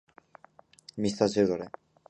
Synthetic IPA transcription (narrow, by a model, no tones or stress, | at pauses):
mist̪at͡ɕʰeɾd̪ʱɔɾe